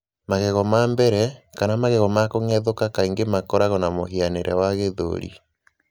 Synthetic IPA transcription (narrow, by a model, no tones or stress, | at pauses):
maɣeɣɔmambɛɾɛkanamaɣɛɣɔmakoŋɛðokakaiŋɡemakɔɾaɣɔnamoɦianeɾʔɛ̰waɣeðo̰ɾḭ